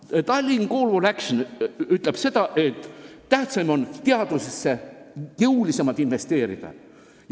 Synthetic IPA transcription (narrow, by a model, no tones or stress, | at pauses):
t̪ɑlʲːinko̞ːlvolækʃonyt̪ˑle̞b̥se̞d̪ɑʔe̞t̪ˑːæht̪sɑjmo̞nt̪eɑd̪̥usesːe̞jɤwlisemɑlt̪ˑinve̞st̪e̞ːɾḭd̪̥ɑ̰